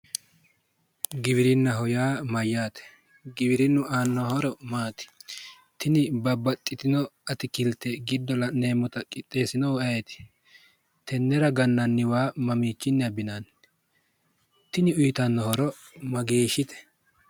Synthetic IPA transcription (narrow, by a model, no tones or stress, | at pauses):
ɡɪβɪɾɪnːɐɦɔjaːmɐjːaːt̪ɛ̥ | ɡɪbɪɾɪnːʊʔaːnːɔhɔɾɔmaːt̪ɪ̥ | t̪ɪnɪbɐbɐt̪ʼːɪt̪ɪnɔɐt̪ɪkɪlt̪ɛɡɪd̪ːɔlɐneːmːɔt̪ɐkʼɪt̪ʼːe̞ːsɪnɔwɐjɛt̪ɪ̥ | t̪ʰɛnːɛɾɐɡɐnːɐnːɪwaːmɐmiːt͡ʃːɪnːɛɐbɪnan | t̪ɪnɪʊjt̪ɐnːɔhɔɾɔ | mɐɡe̞ːʃɪt̪ɛ̥